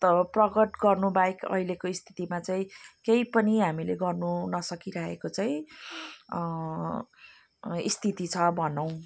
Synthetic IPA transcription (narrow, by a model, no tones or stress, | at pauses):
t̪ʌprʌɡʌʈɡʌrnubajkʌ̰ilekoist̪ʰi̥t̪imat͡saĩkejpʌniɦamileɡʌrnunʌsʌkiɾʌɦekot͡saĩ | ḭst̪ʰit̪it͡sʰʌbʱʌnʌw̃